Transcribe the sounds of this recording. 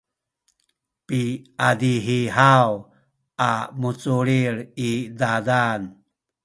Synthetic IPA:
piadiɦiɦaw | ʔamut͡suɾiɾidadan

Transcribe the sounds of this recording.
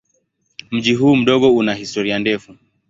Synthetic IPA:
m̩ʄiɦuːm̩ɗɔɠɔunahistɔɾiandɛfu

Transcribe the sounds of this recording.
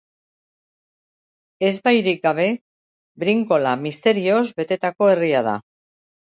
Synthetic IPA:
e̞zbajɾik̚ɡaβ̞e̞ | bɾiŋko̞lamist̪e̞ɾio̞zbe̞t̪e̞t̪ako̞e̞riað̞a̰

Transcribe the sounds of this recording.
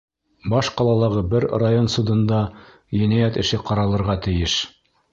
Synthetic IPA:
bɑʃqɑlˠɑlˠɑʁɤbɘɾrajonsud̪ɤ̆nd̪ɑ | jɘ̆næjæt̪ɘ̆ʃɘqɑɾɑlˠɤ̆ɾʁɑt̪ɘ̆jɘʃ

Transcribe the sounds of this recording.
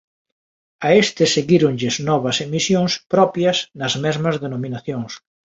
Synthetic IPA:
ɐest̪ɪseɣiɾoŋʎeznɔβɐsemisjoŋspɾɔpjɐsnɐzmɛzmɐzðenomĩnaθjoŋs

